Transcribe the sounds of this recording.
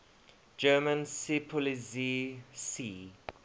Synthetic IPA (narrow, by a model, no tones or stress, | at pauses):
d͡ʒɜːmə̃nsipʰɔlizisi